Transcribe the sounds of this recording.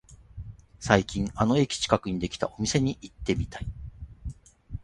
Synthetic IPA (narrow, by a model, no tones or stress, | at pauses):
saikʲĩŋ̃ano̞e̞kʲi̥t͡ɕi̥kakɯ̟ɲ̟id̪e̞kʲi̥t̪a̰o̞mʲise̞ɲ̟iʔit̪ːe̞mʲit̪ai